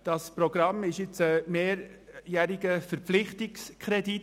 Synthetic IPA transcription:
d̥ɑspɾɔɡ̥ɾɑmɪʃjɪt͡səmeːɾjæɾiɡəfəɾpflɪχtɪkskʰɾɛdi

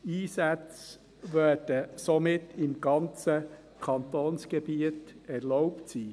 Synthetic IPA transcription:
iːsæt͡s | ʋœːd̥əsɔmɪtʰːɪmɡ̥ɑnt͡sə | kʰɑnt̪oːnsɡ̥ɛbiətɛɾlɔʊptsiː

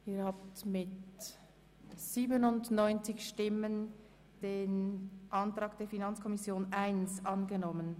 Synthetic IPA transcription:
ʔiːhaːp̚tmɪt | z̥iːbənʊndnɔʏnt͡sɪçʃtɪmən | d̥eːnʔɑntr̥aːɡd̥eːɐfinant͡skʰɔmɪsjoːnʔaɪnsʔɑnɡənɔmən

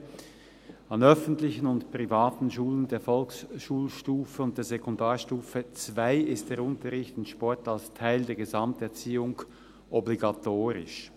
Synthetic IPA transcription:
ɑnœfən̩tlɪçənʊntpʁ̥ivaːtn̩ʃuːləndeːɐfɔlksʃuːlʃtuːfəʊnt̚d̥eːɐzekɔndaːɐʃtuːfət͡sv̥aɪɪstd̥eːɐʁʊntɐʁɪçtɪnʃpɔɐtalstʰaɪldeːɐɡezɑmtɛɐt͡siːʊŋ | ʔɔbliɡatʰoːʁɪ̰ʃ

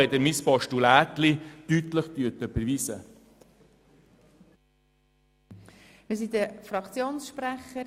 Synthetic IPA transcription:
ɛd̪əɾmɪspɑʃtulæːtlit̪yt̪ləχt̪yətəb̥əɾvisə | mɪs̬idəfɾɑkt͡sjoːnsʃpræχə

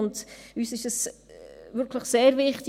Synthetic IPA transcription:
ʊndyːsɪʃəs | ʋʏɾkʰləχseːɾʋɪχtɪ

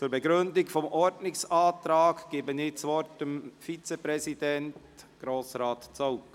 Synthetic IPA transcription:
t͡suːɾbɛɡɾʏndɪɡfɔmʔɔɾdnɪksɑːtɾɑːkɡ̥eːbənɪːt͡sʋɔɾtəmfit͡sepɾɛsidɛnt | ɡ̥ɾoːsɾɑːtt͡soʊk

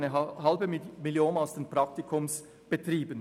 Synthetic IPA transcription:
nəhɑlbəmɪljoːnaʊsd̥eːnpʁɑk̚tikʰʊms | b̥ətriːbən

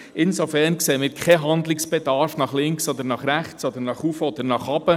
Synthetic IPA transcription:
ɪnsofɛɾnkseːəmɪːɾkχɛɦɑnd̪lɪksb̥ed̥̪ɑɾfnɑχlɪŋksɔd̪əɾnɑχɾæχt͡sɔd̪əɾnɑχufəɔd̪əɾnɑχɑb̥ə

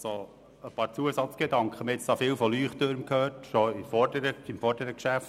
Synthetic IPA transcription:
so | əpɑːɾt͡suəsɑt͡sɡ̥edɑŋkχəmɛt͡sɑfɪːwfɔlyːχt̪øɾmkʰhøːɾtʃɔifɔɾdəɾəɪmfɔrdəɾəkʃæft

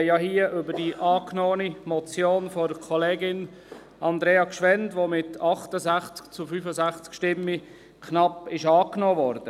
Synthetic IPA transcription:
jɑɦiːəʔʏbəd̥iʔɑːknoːənimɔt͡sjoːnfɔɾkʰɔleːɡɪn | ɑnd̪ɾeːɑkʃʋɛndʋoːmɪtʰɑχtəzæχt͡skt͡sufyːfəzæχt͡skʃtɪmːi | kʰnɑpɪʃɑːknoːvɔɾd̥ə

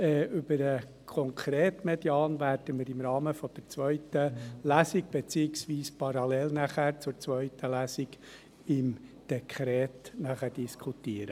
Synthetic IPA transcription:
ɛːʏbəɾə | kʰɔŋkʰɾeːtmed̥jɑːnvæɾd̥əmɪɾɪmɾɑːməfɔd̥əɾt͡sʋœʏtəlæːsɪɡ̚b̥et͡siɪksʋiːspɑɾɑlɛlnæχæɾt͡sʊɾt͡sʋœʏtʰəlæsɪɡ | ɪmd̪̥ekʰɾɛːtnæχæɾd̥iskʰutiəɾə

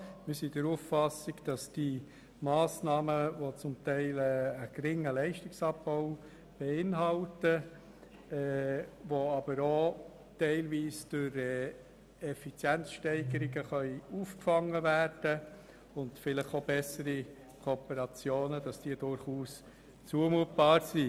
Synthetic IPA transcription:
mɪsidəɾuffɑsɪɡd̥ɑsd̥i | mɑːsnɑːməvot͡sʊmtɛɪlɛəɡ̥ɾɪŋəlɛɪʃtɪksɑb̚bɔʊ | b̥ɛɪnɦɑltə | ɛvoɑb̥əɾo | tɛɪlviːsd̥ʊɾɛ | ɛfit͡sjænt͡sʃtɛɪɡəɾiɡəχœʏuːfkfɑŋːəvæːrd̥ə | ʊntfɪlɪχobɛsəɾi | kʰopəɾɑt͡sjoːnəd̥ɑsd̥iːədʊɾχuːs | t͡suəmuːət̚b̥ɑːɾsi

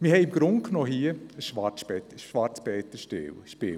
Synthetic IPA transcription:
mihɛɪmɡ̥ɾʊŋkʰnoːɦiəəʃʋɑbɛtəʃʋɑɾt͡sb̥ɛːt̪əʃtɪ̰wʃpɪ

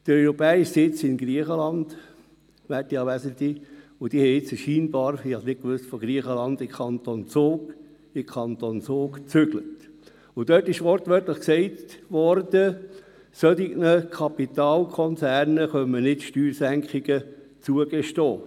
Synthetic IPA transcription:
d̥əɾœʏɾɔpɛːiʃsɪt͡sɪmɡɾiəχəlɑnd̪̥ | ʋætːiɑʋæsənt̪iʊd̥ihɛɪt͡sɛʃiːnbɑːɾɑnɪt̚kʋʏstfɔɡɾiəχəlɑnd̪ɪmkʰɑnt̪ont͡soːɡ̥ | ɪkʰɑnt̪ont͡sʊːkt͡sʏɡ̥lət | ʊd̥œtɪʃʋɔɾtʋœɾtləχksɛɪtʋɔɾd̥ə | sœtiɡnəkʰɑpit̪ɑːlkʰɔnt͡sæːɾnəχœmːənɪtʃtyːɾsæŋkχiɡə | t͡suəɡ̥eʃtoː

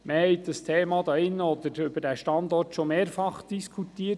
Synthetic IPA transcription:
məhɛɪt̚d̥ɑstʰeːmɑd̪ɑɪnːəɔd̪əɾʏbədæʃtɑnd̪ɔrtʃɔmeːɾfɑχd̥iskʰutiːə

